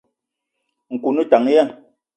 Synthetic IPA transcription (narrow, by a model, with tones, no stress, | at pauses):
ŋ̩˨ku˨nu˦ta˨ŋ˦jɛ˦˨